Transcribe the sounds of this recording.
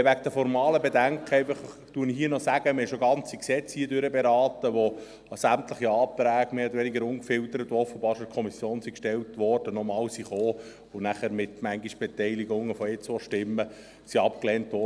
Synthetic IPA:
ʋæɡd̥̪əfɔɾmɑːləbedæŋkʰχəɛɪfəχ | tuənihɦiənɔsæɡ̥əmɛʃoɡɑnt͡siksɛt͡shiədøɾəbeɾɑːt̪əʋo | sæmt̪ləχiɑːt̪ɾæːɡ̥meːɔd̪əɾʋɛniɡəɾʊŋkfɪlt̪əɾətoɔfːəbɑːɾʃot̚kʰɔmisjoːnsikʃtɛltʋɔrd̥ənɔmɑːwsiχoː | ʊnæχæːɾmɪt̪mæŋɡiʃb̥ɛt̪ɛɪliɡʊŋːəfɔɪt͡sʋɔʃtɪmːə | siɑpkleːntʋɔ

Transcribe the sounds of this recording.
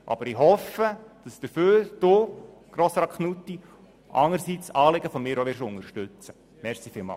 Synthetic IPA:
ʔɑ̰b̥əɾɪɦɔfəd̥ɑsd̥əɾføːɾd̥ʊ | ɡ̥ɾoːsɾɑkχnutːi | ʔɑ̰ŋəɾsit͡sɑːlɪɡəfɔmɪːɾoʋɪɾʃʊŋəɾʃtʉt͡sə | mɛɾsifɪːlˠmɑ̰

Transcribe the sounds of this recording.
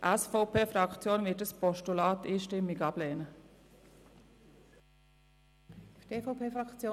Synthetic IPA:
ʔæsfoʊpʰeːfɾɑkt͡sjoːnʋɪt̚əspɔʃtulaːt̪iːʃtɪmːɪɡɑb̥leːnə | tefopʰeːfɾɑkt͡sjoː

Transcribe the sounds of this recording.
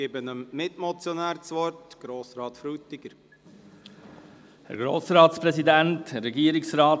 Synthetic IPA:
ɡɪːbənəmmɪtmɔt͡sjɔnæːɾt͡sʋɔɾtɡ̥ɾoːsɾɑːt̪fɾutːɪɡ̥əɾ | hɛ̰ɾɡɾoːsɾɑːtspɾɛsidænthɛrːɛɡiəɾɪksrɑːt

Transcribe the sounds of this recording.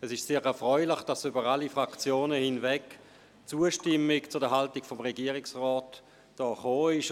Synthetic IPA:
ɛsɪʃseːʁɛɐfʁœʏlɪχd̥asyːbəʁalifʁakt͡sjoːnəhɪnvɛk | t͡suːəʃtɪmɪkt͡sʊdɛɐɦaltɪɡfɔmʁeɡiːəʁɪksʁɔːt | d̥ɔːχoːɪʃ

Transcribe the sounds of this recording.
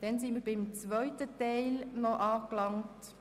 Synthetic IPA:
d̥ɛnsinmiːɾbɪmt͡sʋœʏtətɛɪlnɔʔɑːklɑŋt

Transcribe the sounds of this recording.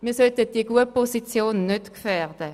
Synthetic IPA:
miːɐsœltət̚d̥iəɡuəpɔsit͡sjoːnːøtkfɛʁd̥ə

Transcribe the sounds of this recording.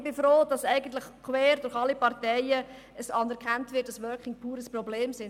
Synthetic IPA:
b̥ɪfɾoːdɑsɛɪɡən̩tləχkʰwɛːɾdʊɾχɑlːipɑɾtɛɪə | əsɑnæɾkʰantvɪt̚d̥ɑsʋœːkɪŋpʰuːɾəsprɔbleːmsɪn

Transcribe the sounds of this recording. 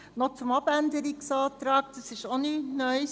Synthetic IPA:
not͡sʊmɑbændəɾiksɑːt̪ɾɑːk̚tɑsɪʃoninœʏ

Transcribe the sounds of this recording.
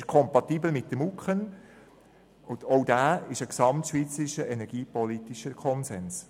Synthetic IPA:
ʃkʰɔmpɑtiːbəl̩mɪt̚dəmukχən | ʊdɔʊd̥æːɪʃəksɑmtʃʋiːt͡səɾiʃəʔɛnɛɾɡ̥iːpɔlit̪iʃəkʰɔnsɛns

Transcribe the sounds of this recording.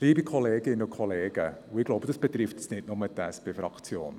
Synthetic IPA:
liːbikʰɔleːɡɪnukʰɔleːɡ̥əuɪɡloʊbədəsb̥ətrɪftə̥snɪtnʊmədɛsb̥ɪfrɑkt͡sjo̰ːn

